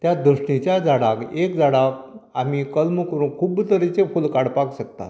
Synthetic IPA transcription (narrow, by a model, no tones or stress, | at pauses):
t̪jad̪əɕɳit͡ɕjad͡zaɽakekd͡zaɽakamikəlməkəɾuːnkʰuːbt̪əɾit͡sefulkaɽpakɕəkt̪a̰t̪